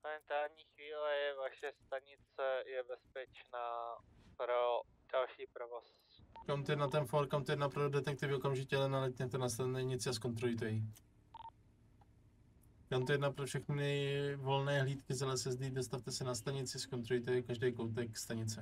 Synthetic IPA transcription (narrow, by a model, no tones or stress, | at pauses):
momɛnt̪aːlɲiːxviːlɛjɛvaʃɛst̪aɲɪt͡sɛjɛbɛspɛt͡ʃnaːpɾo | d̥alʃiːpɾovos | kamt̪ojɛdnat̪ɛnfoɾkamt̪ojɛdnapɾodɛt̪ɛk̚t̪ɪvɪʔokamʒɪcɛlɛnalɛt̪ɲɛt̪ɛnast̪aɲɪt͡sɪasko̞nt̪ɾoɪt̪̬ɛi | kamt̪ojɛdnapɾofʃɛxnɪvo̞lnɛːɦliːt̪kɪzalɛsɛzdiːdost̪aft̪ɛsɛnast̪aɲɪt͡sɪskont̪ɾoɪt̪ɛikaʒdɛjkowt̪ɛkst̪aɲɪt͡sɛ